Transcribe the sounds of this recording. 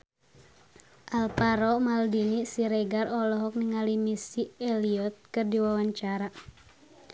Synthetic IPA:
ʔalpaɾɔmaldinisiɾɛɡarɔlɔɦɔk̚niŋalimisiɛliɔt̪̚kɨrdiwawaɲt͡ʃaɾa

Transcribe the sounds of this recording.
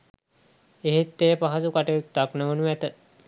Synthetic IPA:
eɦet̪ːeːpaɦasukaʈejut̪ːaknəʋənuʋæt̪ə

